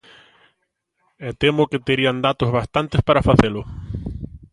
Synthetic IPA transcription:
ɛt̪emʊkɪt̪eɾiand̪at̪ozβast̪ant̪espaɾafaθelʊ

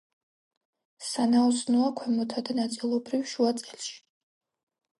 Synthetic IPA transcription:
sanaɔsnuakʷʰwɛmɔt̪ʰad̪anat̪sʼilˠɔbɾiwʃuat̪sʼɛlʃi̥

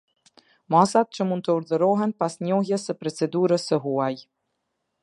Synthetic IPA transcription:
masat̪̚t͡ɕəmund̪̚t̪əuɾðəɾɔɦɛnpasɲɔɦjɛsəpɾɔt͡sɛd̪uɾəsəɦuaj

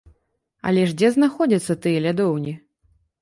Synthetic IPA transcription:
ɐ̰lʲɛʐd͡zʲɛznaxɔd͡zʲɐt̪sːɐt̪ɨjɛlʲad̪ɔwnʲi

